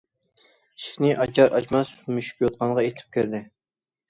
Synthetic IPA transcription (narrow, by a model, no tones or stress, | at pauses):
ʃχnɪʔɑd͡ʒɑɾʔɑ̰t͡ʃmɑsmyʃy̥kʲjot̪̚qʰɑnʁɑet̪ʰɪ̥p̚kʲʰøɾd̪ɪ